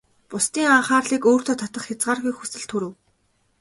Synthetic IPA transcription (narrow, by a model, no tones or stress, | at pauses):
pʊst̪iːŋaɴχaːrɮiːkoːr̥t̪ʰɔːt̪ʰat̪ə̆χxʲat͡sɢaːrɣujxusɘ̆ɮt̪xʰɵɾɘ̆w